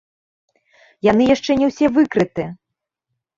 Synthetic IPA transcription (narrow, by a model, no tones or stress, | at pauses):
janɨjaʂt͡ʂɛnʲɛwsʲɛvɨkɾɨt̪ɨ